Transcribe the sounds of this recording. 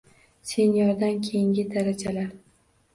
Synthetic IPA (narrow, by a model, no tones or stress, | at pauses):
senjɒɾd̪ankʲʰejɪŋɡʲɪd̪aɾad͡ʒalaɾ